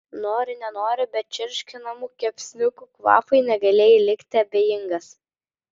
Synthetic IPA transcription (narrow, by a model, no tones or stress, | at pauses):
noːɾʲɪnʲɛnoːɾʲɪbʲɛt̪̚t͡ʃʲɪɾʲʃʲkʲɪnɐmuːkʲɛpʲsʲnʲʊkuːkʋɑ̰ːfɐɪnʲɛɡɐlʲeːjɛlʲɪkʲt̪ʲɪɐbʲeːjɪŋɡɐs